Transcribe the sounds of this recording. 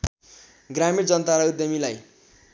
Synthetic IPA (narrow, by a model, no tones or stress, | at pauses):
ɡramiɾd͡zʌnt̪aɾʌud̪jʌmilaj